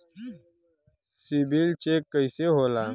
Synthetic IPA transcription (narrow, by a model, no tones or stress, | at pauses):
sibilt͡ʃeːkːəiseɦoːlaː